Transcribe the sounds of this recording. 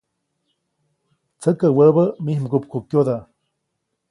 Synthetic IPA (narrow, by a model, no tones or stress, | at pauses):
t͡səkəwəbəmihmɡupkukjod̪a